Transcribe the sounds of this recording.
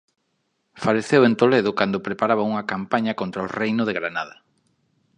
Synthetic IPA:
faleθewẽnt̪oleðʊkand̪opɾepaɾaβ̞auŋɐkampaɲɐkõnt̪ɾɐorejnʊðeɣɾanaðɐ

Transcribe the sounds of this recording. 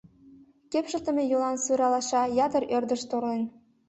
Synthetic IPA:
kepʃə̆lt̪ə̆mʲejulɑnsuɾɑlɑʃɑjɑd̪ə̆rørd̪ə̆ʃt̪orlen

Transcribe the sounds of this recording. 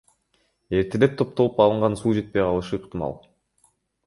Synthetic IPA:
e̞ɾt̪ʰe̞le̞p̚t̪ʰo̞p̚t̪o̞lˠupɑlˠɯɴʁɑnsuːd͡ʒe̞t̪̚pe̞jqʰɑlˠɯʃɯːqt̪ɪmɑ̰lˠ

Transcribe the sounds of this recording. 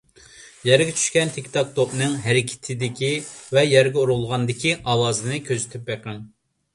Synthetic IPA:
jæɾɡʲɛt͡ʃʰy̥ʃkʲɛnt̪ʰekʲt̪ʰɑk̚t̪opnɨŋɦæɾɪkʲʰɪ̥t̪ʰɪd̪ɪkʲivɛjɛɾɡʲɛuɾulˠʁɑnd̪ɪkʲiʔɑwɑːzɨnɨkʲʰøzɪt̪ʰyp̚beqʰəŋ

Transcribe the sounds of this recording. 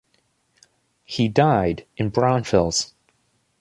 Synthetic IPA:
hidaɪɾɨ̃nbɹãʊ̃nfɪlˠz̥

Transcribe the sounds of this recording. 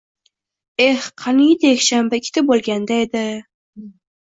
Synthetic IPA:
ehqʰɑnid̪jekʲʃambaɪkʲʰːɪ̥t̪abolˠɡʲand̪aed̪ɪ

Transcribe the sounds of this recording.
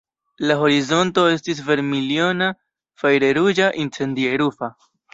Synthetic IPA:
laɦo̞ɾizo̞nto̞e̞stis̬ve̞ɾmilio̞na | fajɾe̞ɾud͡ʒaʔint͡se̞ndieɾufa

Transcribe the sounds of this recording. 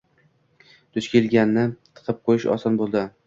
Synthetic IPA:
d̪̥ʊt͡ʃkʲelɡʲanːɪt̪ʰɨ̥qʰɨp̚qʰojɪʃɒ̰sɒnbolˠd̪ɪ

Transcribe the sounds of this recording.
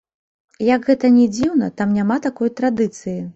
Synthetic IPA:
jɐɡɣɛt̪ɐnʲɛd͡zʲiwnɐ̰t̪amnʲamat̪akɔjt̪ɾad̪ɨt̪sɨji

